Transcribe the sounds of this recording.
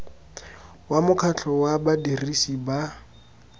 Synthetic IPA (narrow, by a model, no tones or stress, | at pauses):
wamʊkʰat͡ɬʰɔwabadirisiba